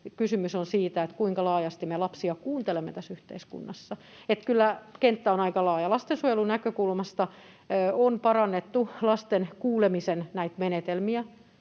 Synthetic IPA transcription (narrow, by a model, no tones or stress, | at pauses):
kysymysonsiːt̪æet̪kuiŋkɑlɑːjɑst̪imelɑpsiɑkuːnt̪elemːet̪æsyht̪ḛiskṵnːɑsːɑ | et̪kylːækent̪ːæonɑikɑlɑːjɑlɑst̪ensuojelunækøkulmɑst̪ɑ | onpɑrɑnːet̪ːulɑst̪enkuːlemisennæit̪menet̪elmiæ